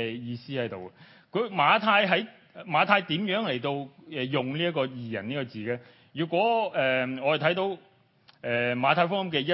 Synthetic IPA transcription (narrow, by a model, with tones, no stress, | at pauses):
jiː˧siː˥hɐ˨˥jt̪o˨wɛ˧ | kʰɵ˨˧ɥmaː˨˧t̪ʰaː˧jɦɐ˨˥j | maː˨˧t̪ʰaː˧jt̪iː˨˥mjœː˨˥ŋle˨˩jt̪o˧wɛː˨jʊ˨˩ŋliː˥ɐ˥kːɔː˧jiː˨jɐ̰˨˩niː˥kɔː˧t͡siː˨˩kɛː˧ | jyː˨˩kʷɔː˨˥ɛː˨ŋɔː˨˧jt̪ʰɐ˨˥jt̪o˧w | ʔɛː˨maː˨˧t̪ʰaː˧jfʊ˥kjɐ˥mkɛː˧jɐ˥